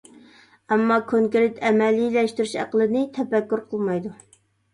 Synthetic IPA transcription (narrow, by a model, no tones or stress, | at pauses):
ɛmːɑkʰoŋkɾɪt̪ʰɛmɛlilɛʃt̪yɾyʃæ̰qəlˠɨnɪt̪ʰɛpɛkʲːyɾqʰəlˠmɑjd̪u